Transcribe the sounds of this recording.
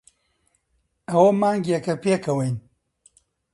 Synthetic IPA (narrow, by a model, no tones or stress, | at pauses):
ɐwɐmaːŋɡjɐkɐpeːkʰɐwɐjn